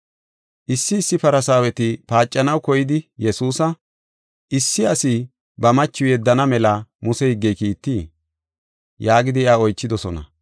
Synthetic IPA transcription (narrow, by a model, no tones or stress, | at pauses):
ʔɪsːɪsːɪpɐɾɐsaːwɛt̪ɪpaːt͡ʃʼːɐnɐwkɔjɪd̪ɪjɛsuːsɐ | ʔɪsːɪɐsi | bɐmɐt͡ʃːʊjɛd̪ːɐnɐmɛlɐmʊsɛhɪɡːɛjkiːt̪ːiː | jaːɡɪd̪ɪɪaɔjt͡ʃːɪd̪ɔsɔnɐ̰